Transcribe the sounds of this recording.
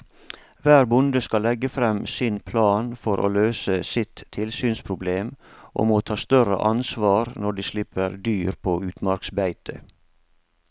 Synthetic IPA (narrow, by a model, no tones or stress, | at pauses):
ʋæːɾbʊnd̪əskɑlːɛɡəfɾɛmsɪnpʰlɑːnfɔɾʔo̰ːløːsəsɪt̪ʰːɪlsyːnspʰɾʊbleːmʔɔ̰moːt̪ʰɑːst̪œɾə̰ʔɑnsʋɑːɾnɔɖiːslɪpəɾd̪yːɾpʰoːʉːt̪mɑɾksbæɪt̪ə